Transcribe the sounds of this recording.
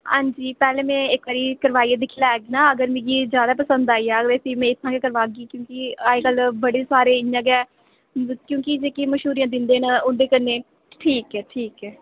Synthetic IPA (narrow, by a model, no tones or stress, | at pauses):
hãːɲd͡ʒiːpɛːlẽːmɛ̃ːɪkʋaːɾiːkəɾʋaːiːãd̪ɪkʰːlaːɛːɡinaːəɡəɾmĩːɡiːd͡ʒjaːd̪aːp̬əsə̃nd̪aːiːaːʋɛːsiːmɛ̃ːɪt̪ʰːãːkekəɾʋaːɡiːkjõːkiaːekəlbəɽeːsaːɾeːɪjãːɡɛː | kjõːkid͡ʒeːkiːməʃɦuːɾijãːd̪ɪnd̪eːnaʊɳɖeːkəɾneː | ʈʰiːkɛːʈʰiːkɛː